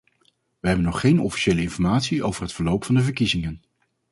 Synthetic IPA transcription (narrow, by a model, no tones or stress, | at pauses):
ʋəɦɛbənɔχːejnɔfi̥ʃejləɪnfɔɹmaːtsiʔowvəɹɦətfəɹlowpfɑndəvəɹkizɪŋən